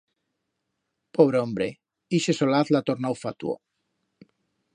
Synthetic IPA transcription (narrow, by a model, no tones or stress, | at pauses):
poβ̞ɾeombɾe | iʃesolaθlat̪oɾnawfat̪uo̰